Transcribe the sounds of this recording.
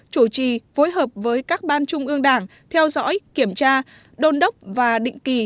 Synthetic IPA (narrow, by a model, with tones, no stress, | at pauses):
t͡ɕu˧˩t͡ɕḭ˧˨fo˨˦jɦəː˨˩p̚vəː˨˦jkaː˦˥k̚ɓaː˧nt͡ɕʊ˧ŋ͡mʔɨ˧əŋɗaː˧˩ŋ | t̪ʰɛ˧wzɔ̰˧˥jki˧˩əmt͡ɕaː˧ | ɗo˧nɗə˦˥wk͡p̚vaː˨˩ɗḭ˧˨ŋ̟ki˨˩